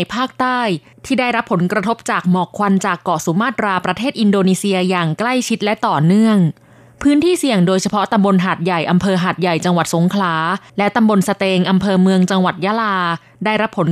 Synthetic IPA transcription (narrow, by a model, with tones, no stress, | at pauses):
jpʰaː˥˩k̚t̪aː˥˩j | t̪ʰiː˥˩daː˥˩jɾa˦˥pʰːo˩˦nkɾa˧t̪ʰo˦˥p̚t͡ɕaː˨˩k̚mɔː˨˩kʰwa˧nt͡ɕaː˨˩kːɔː˨˩su˨˩˦maː˥˩t̪̚ɾaː˧pɾa˧t̪ʰeː˥˩t̪̚ʔi˧ndoː˧niː˧si˧ɐjaː˨˩ŋkla˥˩jt͡ɕʰi˦˥t̪̚lɛ˦˥ʔt̪ɔː˨˩nɯ˥˩əŋ | pʰɯː˦˥nt̪ʰiː˥˩si˨˩əŋdoː˧jt͡ɕʰa˧pʰɔ˦˥t̪a˧mbo˧nɦaː˨˩t̪̚ja˨˩jʔa˧mpʰɤː˧ɦaː˨˩t̪̚ja˨˩jt͡ɕa˧ŋwa˨˩t̪̚so˩˦ŋkʰlaː˩˦lɛ˦˥t̪a˧mbo˧nsa˧t̪eː˧ŋʔa˧mpʰɤː˧mɯ˧əŋt͡ɕa˧ŋwa˨˩t̪̚ja˦˥laː˧ | daː˥˩jɾa˦˥pʰːo˩˦n